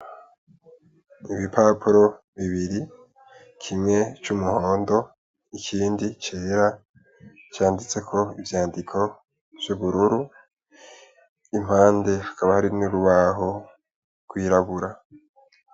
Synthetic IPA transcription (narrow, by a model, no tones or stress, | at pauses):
iβipʰaːpʰuɾo̞ | βiβiɾi | kʰimŋe̞t͡ʃumuho̞ːndo̞ | ikʰiːndit͡ʃeːɾa | t͡ʃaːndit͡se̞kʰo̞ivjaːndikʰo̞ | v̥juβuɾuɾu | im̥haːnde̞hḁkaβahaɾinuɾuβaɦo̞ | ɡ̥wiːɾaβuɾa